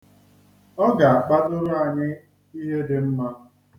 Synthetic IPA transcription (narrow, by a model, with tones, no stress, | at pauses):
ɔ˦ɡa˨a˨k͡pa˦dʊ˦ɾʊ˦a˨ɲɪ˦ | i˦ɦe˦dɪ˨m̩˦ma˦